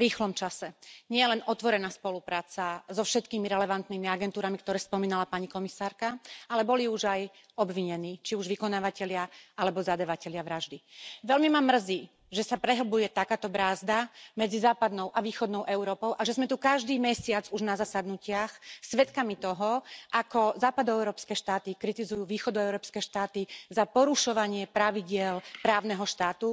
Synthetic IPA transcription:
ɾiːxlɔmt͡ʃasɛɲɪɛɛlɛnɔt̪ʋɔɾɛnaːspɔlupɾaːt͡sazɔfʃɛt̪kiːmiɾɛlɛʋant̪niːmiaɡɛnt̪uːɾamikt̪ɔɾɛːspɔmiːnalapaɲikɔmisaːɾkaalɛbɔliuʒaj | ɔbʋiɲɛniːt͡ʃiuʒʋikɔnaːʋacɛʎɪaalɛbɔzad̪aʋacɛʎɪaʋɾaʒd̪iʋɛlmimamr̩ziː | ʒɛsapɾɛɦl̩bujɛt̪akaːt̪ɔbɾaːzd̪amɛd͡zizaːpad̪nɔʊʔaʋiːxɔd̪nɔʊʔɛʊɾɔːpɔʊʔaʒɛzmɛt̪ukaʒd̪iːmɛsɪad͡zuʒnazasad̪nucɪaxsʋɛt̪kamit̪ɔɦɔʔakɔzaːpad̪ɔɛʊɾɔːpskɛːʃt̪aːt̪ikɾit̪izujuːʋiːxɔd̪ɔɛʊɾɔːpskɛːʃt̪aːt̪izapɔɾuʃɔʋaɲɪɛpɾaʋiɟɪɛlpɾaːʊnɛɦɔʃt̪aːt̪u

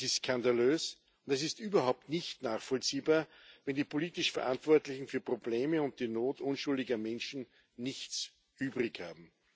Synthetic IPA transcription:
sɪstskʰandaløːs | ʊntɛs̬ɪstʔyːbɐhaʊp̚tnɪçtnaːχfɔlt͡siːbaːɐ | vɛndiːpʰoliːtɪʃfɛɐʔãntv̥ɔɐtlɪçn̩fyːɐpʁ̥obleːməʊnt̚d̥iːnoːtʔʊnʃʊldɪɡɐmɛnʃn̩ | nɪçt͡s | ʔyːbʁɪçhaːbm̩

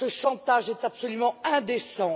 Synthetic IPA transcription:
əʃɑ̃t̪aʒɛt̪apsɔlymɑ̃ɛ̃d̪esɑ̃

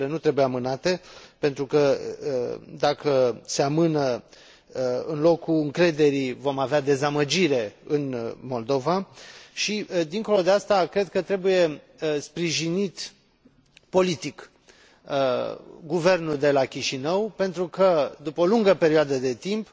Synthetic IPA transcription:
lenut̪ɾe̞bujeamɨnat̪e̞pe̞nt̪ɾukə | d̪akəse̞amɨnə | ɨnlo̞kuɨŋkɾe̞d̪e̞ɾivo̞mavead̪e̞zaməd͡ʒiɾe̞ɨnmo̞ld̪o̞vaʃid̪iŋko̞lo̞d̪east̪akɾe̞d̪̚kət̪ɾe̞buje̞ | spɾiʒinit̪ | po̞lit̪ik | ɡuve̞rnuld̪e̞lakʲiʃinəwpe̞nt̪ɾukəd̪upəoluŋɡəpe̞ɾioad̪əd̪e̞t̪imp

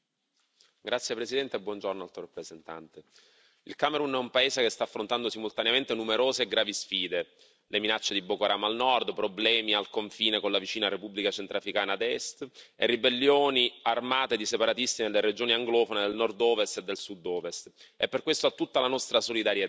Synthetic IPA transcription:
ɡɾʔat̪sːjepɾesid̪ɛnt̪eebːwɔnd͡ʒornoalt̪oɾapːɾezent̪a̰nt̪e | ilkameɾunɛumpaeːzekest̪aːfːɾont̪and̪osimːult̪aneament̪enumeɾoːzeːɡɾaːvisfiːd̪e | leminat͡ʃːed̪ibokoaɾaːmalnɔrd̪pɾoblɛːmialkoɱfiːnekonlavit͡ʃiːnaɾepubːlikat͡ʃent̪ɾafɾikaːnad̪ɛst̪erːibelːjoːniarmaːt̪ed̪isepaɾat̪ist̪inelːered͡ʒoːniaŋɡlɔːfoned̪elnɔrd̪ɔːvest̪ed̪ːelsud̪ːɔːvest̪epːerkːwest̪oat̪ːut̪ːalanɔst̪ɾasolid̪aɾje

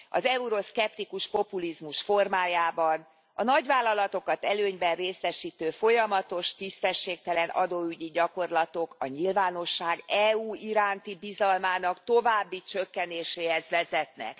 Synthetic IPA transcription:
ɒ̰zɛuɾo̞skɛpt̪ikuʃpo̞pulizmuʃfo̞rmaːjaːbɒn | ɒnɒɟvaːlːɒlɒt̪o̞kɒt̪ɛløːɲbɛnreːsɛʃiːt̪øːfo̞jɒmɒt̪o̞ʃt̪ist̪ɛʃːeːk̚t̪ɛlɛnʔɒ̰d̪oːyɟiɟɒko̞rlɒt̪o̞kɒɲilvaːno̞ʃːaːɡɛuːiɾaːnt̪ibizɒlmaːnɒkt̪o̞vaːbːit͡ʃø̞kːɛneːʃeːhɛzʋɛzɛt̪nɛ̰k

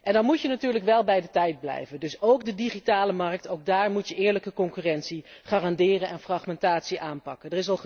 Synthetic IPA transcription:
ʔɛndɑnmutjənatyːɹləkʋɛlˠbɛjdətɛjd̚blɛ̰jvəndɵsowkdədiχitaːləmɑɹk̚towɡ̚daːɹmutjəʔɪːɹləkəkɔŋkyːrɛntsiχaːrɑndɪːrənɛnfrɑχmɛntaːtsiʔaːnpɑkəndərɪs̬ɑlˠ

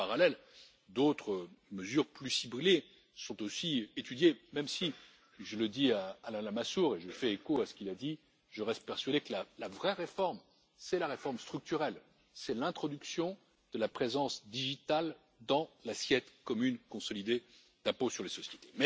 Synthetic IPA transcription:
paʁalɛl | d̪ot̪χəməzyʁplysible | sɔ̃t̪osiet̪yd̪jemɛmsi | ʒələd̪iaːlɛ̃lamasuʁeʒəfɛekoasə̥kʲilad̪i | ʒəʁɛst̪̚pɛʁsɥad̪ekəlalavʁɛʁefɔʁm | sɛlaʁefɔʁmst̪χyk̚t̪yʁɛl | sɛlɛ̃t̪χɔd̪yksjɔ̃ | d̪̥əlapχezɑ̃sd̪iʒit̪al | d̪ɑ̃lasjɛt̪kɔmynkɔ̃sɔlid̪e | d̪̥ɛ̃posyʁlesɔsjet̪e̥mɛ

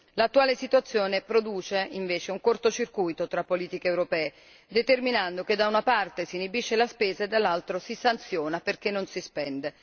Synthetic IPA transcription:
lat̪ːuaːlesit̪uat̪sːjoːnepɾod̪uːt͡ʃeiɱveːt͡ʃeuŋkort̪ot͡ʃirkujt̪ot̪ɾapːoliːt̪ikeːwɾopɛːe | d̪et̪erminand̪oked̪ːaunapart̪esinibit͡ʃːelaspeːzaed̪ːalːalt̪ɾosisant̪sjoːnaperk̟enːonsispɛnd̪e

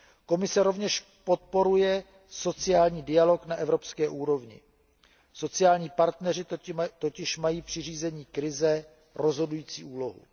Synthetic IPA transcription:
ko̞mɪsɛɾo̞vɲɛʃ | po̞t̪̚po̞ɾujɛ | so̞t͡sɪaːlɲiːdɪalo̞knaʔɛvɾo̞pskɛːʔuːɾo̞vɲɪ̰ | so̞t͡sɪaːlɲiːpaɾt̪nɛrɪt̪ocɪʃmajiːpr̝̥ɪriːzɛɲiːkɾɪzɛ | ɾo̞zɦo̞dujiːt͡sḭːʔuːlo̞ɦṵ

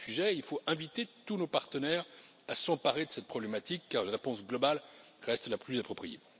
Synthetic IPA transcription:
yʒɛilfoɛ̃vit̪et̪unopaʁt̪ənɛʁ | asɑ̃paʁed̪əsɛt̪̚pχɔblɛmat̪ikːaʁlaʁepɔ̃sɡlɔbal | ʁɛst̪laplyzapχɔpχijḛ

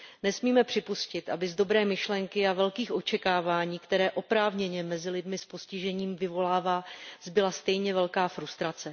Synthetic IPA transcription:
nɛsmiːmɛpr̥ɪpuscɪt̪ʔa̰bɪzdo̞bɾɛːmɪʃlɛŋkɪavɛlkiːxʔo̞t͡ʃɛkaːvaːɲiːkt̪ɛɾɛːʔo̞pɾaːvɲɛɲɛmɛzɪlɪdmɪspo̞scɪʒɛɲiːmvɪvo̞laːvaːzbɪlast̪ɛjɲɛvɛlkaːfɾust̪ɾat͡sɛ

